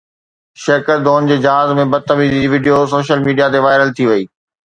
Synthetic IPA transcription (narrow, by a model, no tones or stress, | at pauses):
ʃɐɾkəɾd̪ʱoːnd͡ʑeːd͡ʑɦaːzmẽbɐd̪̚t̪ɐmiːzid͡ʑiʋiːɖijosoːʃəlmiːɖijat̪eʋaːɪɾəlt̪ʰiʋɐiː